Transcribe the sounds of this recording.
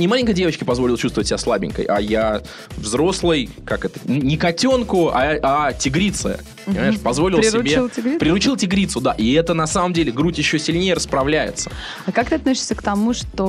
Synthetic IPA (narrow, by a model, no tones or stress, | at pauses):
nʲɪmalʲɪnʲŋkəjdʲevət͡ɕkʲɪpɐzvolɪlˠt͡ɕust̪vət̚ʲːɪbʲaslˠabʲɪ̰nʲkə̰jʔɐ̰ja | vzɾo̞slˠəj | kakɛt̪ə̥nnʲɪkɐtʲo̞nkʊɐatʲɪɡɾʲit̪sɨ̰ə̰ | pəpəɲɪmaɪʂpɐzvo̞lʲɪlˠɾˠsɾɪbʲelˠtʲɪɡɾʲipɾʲɪɾʊt͡ɕilˠtʲɪɡɾʲit̪sʊd̪aʔɪɛt̪ənɐsaməmdʲelʲɪɡɾutʲjɪɕːosʲɪlʲnʲejəɾəspɾɐvlʲæjɪ̰t̪sə̥ | akakt̪ɨɐt̪nosʲɪ̥sʲəkt̪ɐmuʂt̪o